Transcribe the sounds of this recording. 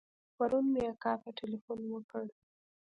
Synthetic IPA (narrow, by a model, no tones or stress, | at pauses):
paɾunmeakɑfaʈɪlifunwəkəɽ